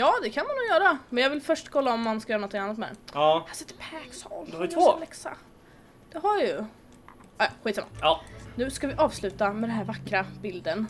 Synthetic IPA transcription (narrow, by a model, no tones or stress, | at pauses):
jɑːd̪ɛkʰanmanːuːɡjœːɾamɛnjɑːɡvɪlfœʂʈkʰɔlːaɔmːanskajœːɾnɔt̪ʰːɪŋanːɔt̪mɛd̪ɛ̰nːhasɛt̪ːɛpʰɛɡsɑ̰ld̪halɛksa̰ | d̪̥ɛɦaɾjjjɵ | ɑːjɑ̰ɧiːt̪samːa̰nʉ̟ːskavɪʔɑːvslʉ̟ːt̪amɛd̪ɛnɦæːɾvakːɾabɪld̪ən